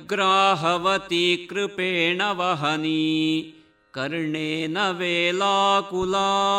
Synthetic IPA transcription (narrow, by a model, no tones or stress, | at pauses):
ɡɾaːɦɐʋɐt̪ikɾɪpeːɳɐʋɐɦɐni | kɐɾɳeːnɐʋeːlaːkʊlaː